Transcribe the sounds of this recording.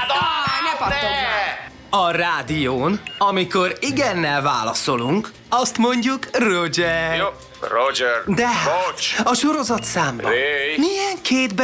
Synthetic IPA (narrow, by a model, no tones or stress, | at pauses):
ɒraːd̪ijoːnɒmiko̞ɾiɡɛnːɛlva̰ːlɒ̰so̞luŋk | ɒst̪mo̞ɲɟukrod͡ʒɛr | rod͡ʒɛd̪ɛɦaɒʃo̞ɾo̞zɒt̪saːmb̰mijɛŋkʰeːd̪b